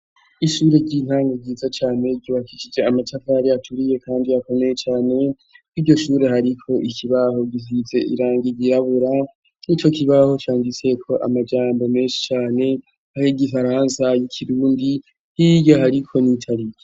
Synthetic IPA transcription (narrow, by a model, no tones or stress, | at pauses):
iʃuːɾe̞ɾɟiːn̥haːŋɡaɟiːzat͡ʃaːne̞ɟiwakiʃid͡ʒe̞amat͡ʃafaɾiatʰuɾije̞kʰaːndijako̞me̞je̞t͡ʃaːne̞ | iɾɟo̞ʃuːɾe̞haɾikʰo̞ʔikʰiβaho̞ɡihize̞ʔḭɾaːŋɡiɡiɾaβuɾa | nit͡ʃo̞kʰiβaho̞t͡ʃaːŋɡit͡se̞kʰo̞ʔa̰mad͡ʒaːmbo̞me̞ːnʃi̥t͡ʃaːne̞ | hahiɡifaɾaːnsajikʰiɾuːndi | hiɟaɦaɾikʰo̞nitʰaɾike